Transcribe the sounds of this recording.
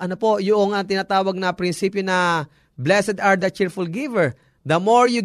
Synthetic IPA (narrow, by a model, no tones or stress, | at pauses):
ʔɐnopo̞jʊʔoŋʔɐŋt̪ɪnaːt̪aːwɐɡ̚nɐpɾɪnsipjonɐ | blɛsɛd̪ɐɹd̪ɐt͡ʃɪɹfʊlɡivɛɹ | d̪ɐmoɹju